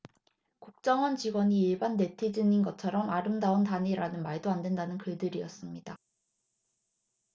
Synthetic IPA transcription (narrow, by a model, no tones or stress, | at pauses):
kuk̚t͡ɕ͈ʌŋʌnt͡ɕiɡwʌɲiːɭbanːe̞tʰid͡ʑininɡʌt͡ɕʰʌɾʌmaɾɯmdaontaniɾanɯnmaɭdoandwendanɯnkɯɭdɯɾijʌs͈ɯmɲida